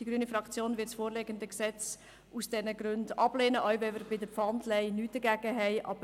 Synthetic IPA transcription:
d̥iɡ̥ɾyːnifɾɑkt͡sjoːnvɪtsfoːɾleːɡəndəksɛt͡s | usd̥ɛnəɡɾøndɑb̥leːnəʔœʏbɛvəɾbɪdəpfɑntlɛɪnyːt̚d̥əɡæɡ̥əɦɛɪʔɑ̰bə

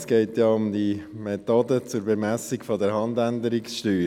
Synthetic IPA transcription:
sɡ̥eɪtjɑʊmdimetodət͡sʊɾbemæsikfɔdəɾɦɑnd̪ændəɾiksʃtyː

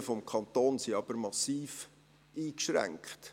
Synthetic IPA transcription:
əfɔmkʰɑnt̪oːnsiɑb̥əɾmɑsiːf | ʔiːkʃɾæ̰ŋkχt

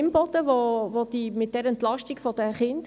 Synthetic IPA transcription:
mbɔt̪əʋoʋod̥̪imɪt̚d̥ɛɾɛntlɑʃtikfɔd̥̪əχɪnd

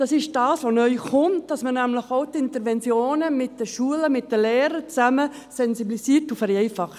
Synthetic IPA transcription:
d̥ɑsɪʃd̥ɑːsʋonœʏχʊnt̚d̥ɑsmənæmləxoʊtɪntəɾʋɛnt͡sjoːnəmɪt̚d̥əʃuələmɪt̚d̥əleːɾət͡sæmə | sɛnsiblisiːɾtufɛɾɛɪfɑχt

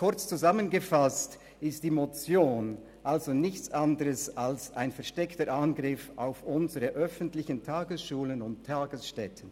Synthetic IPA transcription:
kʰʊɐt͡st͡suzamənɡəfast | ɪstd̥iːmot͡sjoːn | ʔalzonɪçt͡sandəɾəsalsa̰ɪnfɛɐʃtɛktəɾʔanɡʁɪfa̰ʊfʔʊnzəʁəʔœfəntlɪçəntʰaːɡəsʃuːlənʊnttʰːaːɡəsʃtɛtʰən

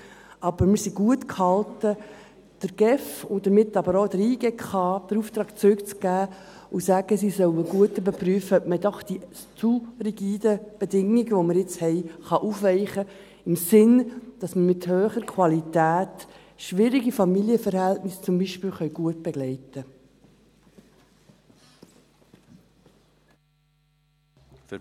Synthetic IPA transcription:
ɑb̥əɾmɪɾsiɡuətkʰhɑltə | d̥əɾɡ̥ɛfʊnd̥əɾmɪtːɑbəɾoːdəɾiːɡ̥ɛkχɑːd̥əɾuft̪ɾɑːkt͡sɾʏkt͡sɡ̥æː | ʊsæɡ̥əsisœwəɡ̥uətybəpryːfəœp̚mədɔχd̥i | t͡suriɡiːdəb̥edɪŋɪɡəʋoməɾjɪt͡shɛɪχɑʔufʋɛɪχə | ɪmsɪnd̥ɑsməmɪthøːχəɾkʰwɑlitæːt | ʃʋɪɾiɡifɑmiljəfəɾhɛltnɪst͡sʊmbiʃpɪːlχœɥɡ̥uətb̥ɛɡ̥lɛɪtə

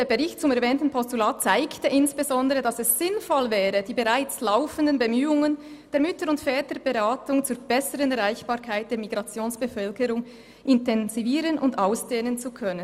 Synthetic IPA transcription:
eːbeʁɪçt̚t͡sʊmɛʁvɛːntn̩pʰɔstulaːt̚t͡saɪktəʔɪnsb̥ezɔndəʁədɑsɛsːɪnfɔlvɛːʁəd̥iːbeʁaɪt͡slaʊfəndənbəmyːʊŋən | d̥eːɐmʏtəɾʊntfɛːtəb̥eʁaːtʊŋt͡suːɾb̥ɛsəʁənɛʁaɪçb̥aːɾkʰaɪt̚d̥eːɐmiɡʁɑt͡sjoːnsb̥əfœlkəʁʊŋ | ʔɪntɛnziviːʁənʔʊndaʊsd̥eːnənt͡sukʰœnən

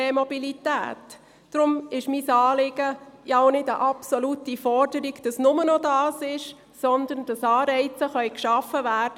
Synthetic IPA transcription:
emɔbilitæ̰ːt | d̥ɾʊmɪʃmiːsɑːlɪɡəjaʊnɪdəʔɑpsɔlutifɔɾd̥əɾiɡd̥ɑsnʊmənɔdɑːsɪʃ | sɔnd̪ənd̥ɑsɑːɾɛɪt͡səχœʏkʃɑfəvæːɾd̥ə

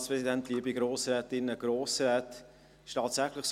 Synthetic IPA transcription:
spʁɛsidɛntliːəbiɡɾoːsɾɛːtɪnːəɡɾoːsɾɛːt | ɪʃtɑːtsæχlɪχs

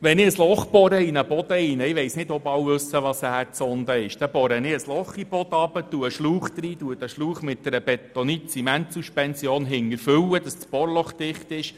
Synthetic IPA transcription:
ʋɛnɪəslɔχb̥ɔɾəinəbɔd̥̪əinəɪʋɛɪjsnɪdɔpɑwvɵsːəʋɑsæːɾt͡sɔnd̪əɪʃd̥ɛbɔɾənɪəslɔχib̥ɔd̪ɑbətuəʃluːχt̪riːduətəʃluːχmɪt̚d̥ɛɾəb̥ɛt̪onit͡simænt̪suʃpɛnsjoːnɦɪŋːəɾfʏwəd̥ɑsspɔɾlɔχd̥ɪχt̪ɪʃ

